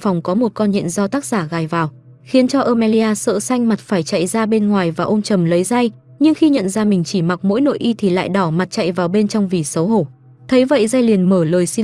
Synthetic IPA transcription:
fɔ˨˩wŋ͡mkɔ˨˦mo˨˩t̚kɔ˧nɲḭ˧˨nzɔ˧t̪aː˦˥k̚z̥aː˧˩ɣaː˨˩jvaː˨˩w | xi˨˦nt͡ɕɔ˧ʔəː˧mɛ˧li˧ʔaː˧sə̰ː˧˨sa˧jŋ̟ma˨˩t̚faː˧˩jt͡ɕa̰˧˨jzaː˧ɓe˧nŋwaː˨˩jvaː˨˩ʔo˧nt͡ɕə˨˩mlə˨˦jza˧j | ɲɨ˧ŋxi˧ɲə̰˧˨nzaː˧mï˨˩ŋ̟t͡ɕi˧˩ma˨˩t̚mo̰˧˥jno̰˧˨jʔi˧t̪ʰi˨˩la̰ː˧˨jɗɔ˧˩ma˨˩t̚t͡ɕa̰˧˨jvaː˨˩wɓe˧nt͡ɕɔ˧wŋ͡mvi˨˩sə˨˦wɦo˧˩ | t̪ʰə˨˦jvə̰˧˨jza˧jli˨˩ənməː˧˩ləː˨˩jsi˧

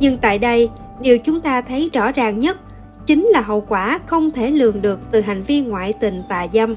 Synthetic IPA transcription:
ɲɨ˧ŋt̪a̰ː˧˨jɗə˧j | ɗi˨˩əwt͡ɕʊ˨˦ŋ͡mt̪aː˧t̪ʰə˨˦jzɔ˧˩zaː˨˩ŋɲə˦˥t̚ | t͡ɕï˨˦ŋ̟laː˨˩ɦə̰˧˨wkwaː˧˩xə˧wŋ͡mt̪ʰe˧˩lɨ˨˩əŋɗɨ˨˩ək̚t̪ɨ˨˩ɦa˨˩jŋ̟vi˧ənŋwa̰ː˧˨jt̪ï˨˩ŋ̟t̪a̰ː˨˩jza˧m

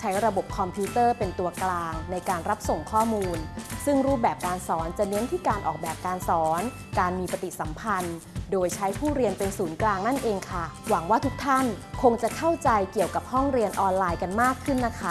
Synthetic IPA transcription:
t͡ɕʰa˦˥jɾa˧bo˨˩p̚kʰɔ˧mpʰi˦˥t̪ɤː˥˩pe˧nt̪u˧ɐklaː˧ŋna˧jkaː˧nɾa˦˥p̚so˨˩ŋkʰɔː˥˩muː˧nsɯ˥˩ŋɾuː˦˥˩bɛː˨˩p̚kaː˧nsɔː˩˦nt͡ɕa˨˩ne˧˦˥nt̪ʰiː˥˩kaː˧nʔɔ̰ː˨˩k̚bɛː˨˩p̚kaː˧nsɔː˩˦n | kaː˧nmiː˧pa˧t̪i˨˩sa˩˦mpʰa˧n | doː˧jt͡ɕʰa˦˥jpʰuː˥˩ɾi˧ənpe˧nsuː˩˦nklaː˧ŋna˥˩nʔeː˧ŋkʰa˥˩wa˩˦ŋwaː˥˩t̪ʰu˦˥k̚t̪ʰa˥˩nkʰo˧ŋt͡ɕa˨˩kʰa˥˩wt͡ɕa˧jki˨˩əwka˨˩p̚hɔ˥˩ŋɾi˧ənʔɔː˧nlaː˧jka˧nmaː˥˩kʰːɯ˥˩nːa˦˥kʰa˦˥˩

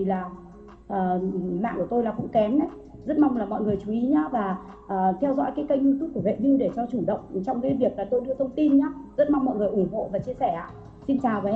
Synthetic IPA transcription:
i˨˩laː˨˩ | ʔəː˨˩ma̰ː˧˨ŋku˧˩ət̪o˧jlaː˨˩kʊ̰˧˥ŋ͡mkɛ˨˦mɗə˨˦j | zə˦˥t̚ma˧wŋ͡mlaː˨˩mɔ̰˧˨jŋɨ˨˩əjt͡ɕu˨˦ʔi˨˦ɲaː˧˦vaː˨˩ | ʔəː˨˩t̪ʰɛ˧wzɔ̰˧˥jkaː˨˦jkə˧jɲu˧t̪ʰu˦˥p̚kːu˧˩əvḛ˧˨ɲi˧ɗe˧˩t͡ɕɔ˧t͡ɕu˧˩ɗə̰˧˨wŋ͡mt͡ɕɔ˧wŋ͡mkaː˨˦jvi˨˩ək̚laː˨˩t̪o˧jɗɨ˧ət̪ʰə˧wŋ͡mt̪i˧nɲaː˨˦zə˦˥t̚ma˧wŋ͡mmɔ̰˧˨jŋɨ˨˩əjʔu˧˩ŋ͡mɦo̰˧˨vaː˨˩t͡ɕi˧əsɛ˧˩ʔa̰ː˧˨ | si˧nt͡ɕaː˨˩wə˨˦

